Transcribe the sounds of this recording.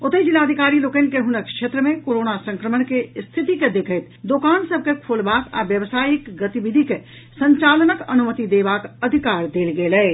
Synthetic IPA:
ʊt̪əid͡ʒilaəd̪ʱikaːɾiloːkənkeɦʊnəkʃet̪ɾəmẽkoɾonasə̃ŋkɾəmənkest̪ʰit̪iked̪ekʰəɪt̪d̪okaːnsəb̚ʱkekʰolbaːka̰ʋjəʋsaːjikɡət̪iʋid̪ʱike | sə̃ɲt͡ʃalnəkənumət̪id̪ebakəd̪ʱikaːɾd̪eːlɡelɛ

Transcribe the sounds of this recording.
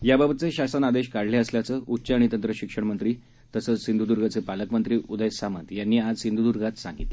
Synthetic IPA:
jababət̪t͡seɕasənad̪eɕkaɽleəsljat͡səʔutːɕaɽ̃it̪ənt̪ɾəɕikʂəɳmənt̪ɾiː | t̪əsəːt͡ssind̪ud̪uɾɡʱat͡sepaləkmənt̪ɾiːʔud̪əjsamət̪janːiːad͡zsind̪ʱud̪uɾɡat̪sãŋɡit̪le

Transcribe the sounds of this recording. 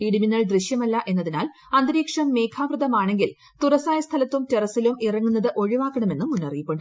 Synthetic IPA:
iɽiminːɐɭd̪riɕjɐmɐlːɐʔe̞nːɐðinaːl | ɐnd̪ɾiːkʂɐmːe̞ːkʰaːʋrɨðɐmaːɳe̞ŋɡil | t̪urɐsaːjɐst̪ʰɐlɐt̪ːumterɐsːilumʔirɐŋːunːɐðɨʔo̞ɻiʋaːkːɐɳɐme̞nːumunːɐrijipːoɳɖɨ

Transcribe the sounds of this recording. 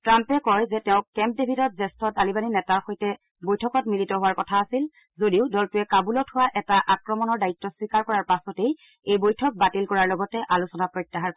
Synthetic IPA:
tɹampɛkɔjzɛtɛʊ̃kɛmp̚debʱitɔt̚zɛstʰɔtalibaninɛtaɹxojtɛ | bojtʰɔkɔtmilitɔɦʊwaɹkɔtʰaːsil | zodiʊdɔltuɛkabulɔtʰhʊwaʔɛtaʔakɹɔmɔnɔɹdaitːɔswikaɹkɔɹaɹpasɔtej | ejbojtʰɔk̚batilkɔɹaɹlɔɡɔtɛʔalusɔnapɹɔjtːaɦaɹ

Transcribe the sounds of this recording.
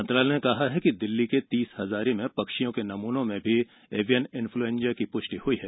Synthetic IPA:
mɐ̃nt̪ɾaːlenekɐɦaɦɛkid̪ɪlːiket̪iːshɐzaːɾimẽpɐkʃijõkenɐmuːnõmẽbʱi | eːʋijənɪ̃nfluẽːnd͡ʒjakipʊʃʈihʊiɦɛː

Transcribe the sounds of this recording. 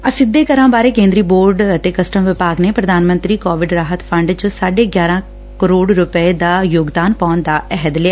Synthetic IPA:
əsɪd̪ːeːkəɾãːbaːɾeːkẽːnd̪ɾiːboːɾɖət̪eːkəsʈəmʋɪpaːɡneːpɾəd̪ʱaːnmə̃nt̪ɾiːkɔːʋɪɖɾaːɦət̪pʰə̃ɳɖd͡ʒõsaːɖeːɡjaːɾãː | kəɾoːɽɾʊpəed̪aːjoːɡd̪aːnpɔːnd̪aːɛɦəd̪lɪaː

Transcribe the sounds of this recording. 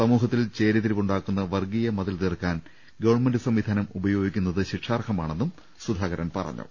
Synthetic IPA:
sɐmuːɦɐt̪ːilt͡ɕe̞ːɾiðiɾʋuɳɖaːkːunːɐʋɐrɡijɐmɐðɐlt̪irkːaːn | ɡɐʋɐrɳmenɖɨsɐmʋid̪ʱaːnɐmubɐjo̞ːɡikʲːunːɐðɨɕiʈʂaːrkʰɐmaːɳe̞nːum | sud̪ʱaːɣɐɾɐnpɐ̰rɐ̰ɲːṵ

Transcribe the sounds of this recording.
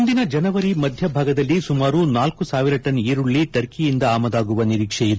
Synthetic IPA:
und̪inɐd͡ʒɐnɐʋɐɾimɐd̪ʱjɐbʱaːɡɐd̪ɐlːisumaːɾunaːlkusaːʋiɾɐʈɐniːɾuɭːiʈɐɾkijind̪ɐaːmɐd̪aːɡuʋɐniɾiːkʂɛjid̪

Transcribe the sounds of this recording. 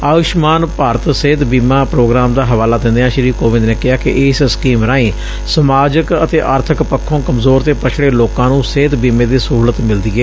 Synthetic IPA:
aːʋɪʃmaːnpaːɾət̪seːd̪biːmãːpɾoːɡɾaːmd̪aːɦəʋaːlaːd̪ɪ̃nd̪eːɦãːʃɪɾiːkoːʋɪ̃nd̪neːkɪɦaːkɪʔɪːsskiːmɾaːĩː | səmaːd͡ʒəkət̪eːʔaːɾt̪ʰəkpəkʰːõːkəmzoːɾt̪eːpət͡ʃʰɽeːloːkãːnũːseːd̪biːmẽːd̪iːsəɦuːlət̪mɪld̪iːɛː

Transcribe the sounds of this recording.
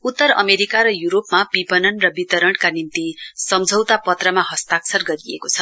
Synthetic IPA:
ut̪ːʌɾʌ̰meɾikaɾʌjuɾopmapipʌnʌnrʌbit̪ʌɾʌɽkanint̪isʌmd͡zʱʌwt̪apʌt̪rʌmaɦʌst̪aksʰʌrɡʌɾiḛkot͡sʰʌ

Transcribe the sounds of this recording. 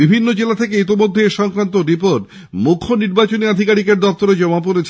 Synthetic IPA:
bibʱinːod͡ʑelat̪ʰek̬eit̪imod̪ʱːeʃɔŋkɾant̪oɾipoɾʈ | mukʰːoniɾbat͡ɕoniad̪ʱikaɾikeɾd̪ɔp̚t̪oɾed͡ʑɔmap̬oɾet͡ɕʰ

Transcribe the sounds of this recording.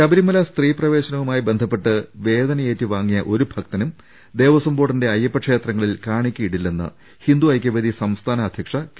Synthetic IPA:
t͡ɕɐbɐɾimɐlɐst̪riːprɐʋe̞ːɕɐnɐʋumaːjibe̞nd̪ʱɐpːe̞ʈːɨʋe̞ːd̪ɐnɐje̞ːtːɨʋaːŋːijɐʔo̞ɾubʱɐk̚t̪ɐnum | d̪e̞ːʋɐsɐmboːɽɐnde̞ɐjːɐpːɐkʂe̞ːt̪rɐŋːɐɭilkaːɳikʲːuiɽilːenːɨ̰ | hind̪uɐjk̬ʲːɐʋed̪isɐmst̪ʰaːnɐːd̪ʱjɐkʂɐk

